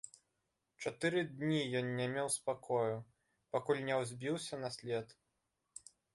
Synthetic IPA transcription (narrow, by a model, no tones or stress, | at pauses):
t͡ʂat̪ɨɾɨd̪ʲnʲijɔnnʲamʲɛwspakʰɔju | pakulʲnʲɛwzʲbʲiwsʲɐnɐsʲlʲɛt̪